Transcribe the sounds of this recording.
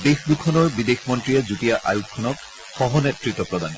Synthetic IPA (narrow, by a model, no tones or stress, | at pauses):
dexdukʰɔnɔɹbidexmɔntɹiɛzutijaʔa̰jukʰːɔnɔk̚ | xɔɦɔnetɹitːɔpɹɔdan